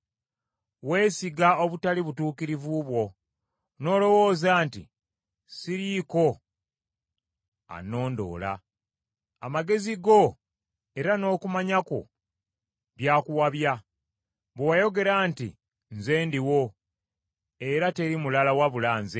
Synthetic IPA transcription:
we̞ːsiɡao̞βutaliβutuːkiɾivuβwo̞ | no̞ːlo̞wo̞ːzaːntḭ | siɾiko̞ | a̰no̞ːndo̞̰ːla̰ː | maɡe̞ziɡo̞ | e̞ɾano̞ːkumaɲako̞̰ | βjaːkuwaβja | βowajo̞ɡe̞ɾaːntḭ | nze̞ːndiwo̞ | e̞ɾateɾimulalawaβulaːnze

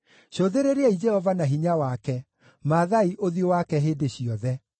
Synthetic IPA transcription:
ɕoðeɾeɾeɛid͡ʒɛhɔvanaɦiɲawakɛ | maðaiʔoðjowakɛɦeːdeɕiɔðɛ

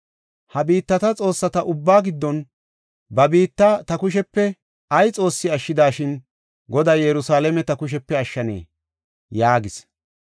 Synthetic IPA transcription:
hɐbiːt̪ːɐt̪ɐt͡sʼo̞ːsːɐt̪ɐʔʊbːaːɡɪd̪ːɔn | bɐbiːt̪ːɐt̪ɐkʊʃ̬ɛpːɛ | ɐjt͡sʼo̞ːsːɪɐʃːɪd̪aːʃɪn | ɡɔd̪aːjɛɾʊsaːlɛmɛt̪ɐkʊʃ̬ɛpːɛɐʃːɐnḛː | jaːɡɪs

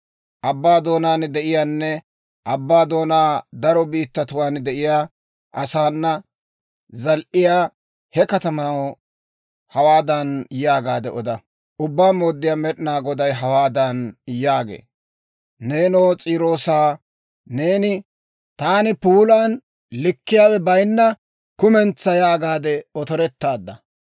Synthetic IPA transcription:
ʔɐbːaːd̪o̞ːnaːnd̪ɛʔɪjaːnːɛ | ʔɐbːaːd̪o̞ːnaːd̪ɐɾɔbiːt̪ːɐt̪ʊwaːnd̪ɛʔɪjaː | ʔɐsaːnːɐ | zɐlʔɪjaː | hɛkɐt̪ɐmɐw | hɐwaːd̪ɐnjaːɡaːd̪ɛʔɔd̪ɐ | ʔʊbːaːmo̞ːd̪ːɪjaːmɛɗɪnaːɡɔd̪ɐjɦɐwaːd̪ɐnjaːɡḛː | ne̞ːnoːt͡sʼiːɾo̞ːsaː | ne̞ːnɪ | t̪aːnɪpuːlan | lɪkːɪjaːwɛbɐjnːɐ | kʊmɛnt͡sːɐjaːɡaːd̪ɛɔt̪ɔɾɛt̪ːaːd̪ːɐ

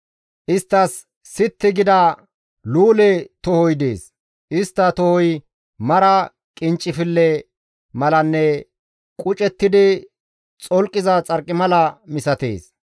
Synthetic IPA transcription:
ʔɪst̪ːɐsː | ɪt̪ːɪɡɪd̪ɐ | luːlɛt̪ɔhɔjd̪ḛːs | ʔɪst̪ːɐt̪ɔhɔj | mɐɾɐ | kʼɪnt͡ʃʼːɪfɪlːɛ | mɐlɐnːɛ | kʼʊt͡ʃʼɛt̪ːɪd̪ɪ | t͡sʼɔlkʼːɪzɐt͡sʼɐɾkʼːɪmɐlɐmɪsɐt̪ḛːs

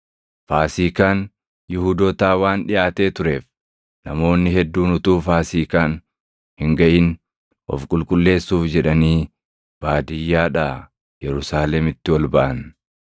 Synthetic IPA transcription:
faːsiːkaːn | jɪhuːd̪oːt̪aːwaːnᶑɪjaːt̪e̞ːt̪ʊɾe̞ːf | nɐmo̞ːnːɪɦɛd̪ːuːnʊt̪uːfaːsiːkaːn | hɪŋɡɐʔɪn | ʔɔ̰fkʼʊlkʼʊlːe̞ːsːuːfd͡ʒɛᶑɐniː | b̥aːd̪ɪjːaːᶑaː | jɛɾʊsaːlɛmɪt̪ːɪwɔlbɐʔɐn

